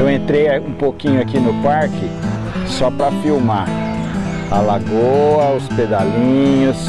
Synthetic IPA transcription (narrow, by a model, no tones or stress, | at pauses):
ewẽt̪ɾejaũpokĩɲʊakinʊpaɾkɪ | sɔpɾɐfiwma | ɐlaɡoɐʊsped̪alĩɲʊs